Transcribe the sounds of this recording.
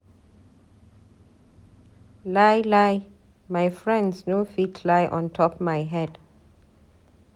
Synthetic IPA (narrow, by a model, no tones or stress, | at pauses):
lajlaj | majfɹɛ̃ndsnofitʰlajʔɔ̰̃ntʰɔpmajɦɛd